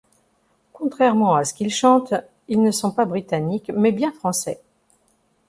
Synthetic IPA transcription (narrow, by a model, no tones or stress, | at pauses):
kɔ̃t̪χɛʁmɑ̃asə̥kilʃɑ̃t̪ | ilnəsɔ̃pabʁit̪anikmɛbjɛ̃fχɑ̃sɛ